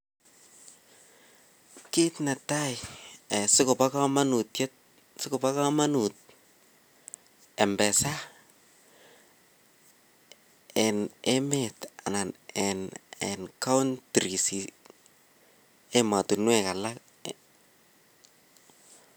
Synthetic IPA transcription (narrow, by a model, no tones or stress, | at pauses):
kitnatajɛsɪkʊpakamanutjet̚ | sɪkʊpakamanut̚ | ɛmbɛsa | ɛnemeta̰nanɛnɛnkawntɾisi | ematunwɛkala